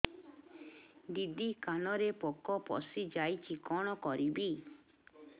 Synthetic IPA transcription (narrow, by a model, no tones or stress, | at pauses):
d̪id̪ikanɔɾepɔkɔpɔ̰sid͡ʒajt͡ʃʰikɔɽ̃ɔkɔɾibi